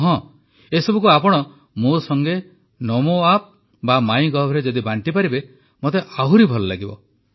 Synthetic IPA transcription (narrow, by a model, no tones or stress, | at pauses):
ɦɔ̃ | esɔbʱukuapɔɽ̃ɔ | mosɔŋɡe | nɔmoap̚ | bamaj̃ɡɔbʱɔɾed͡ʒɔd̪ibaɳʈipaɾibe | mot̪eʔaɦuɾibʱɔlɔlaɡibɔ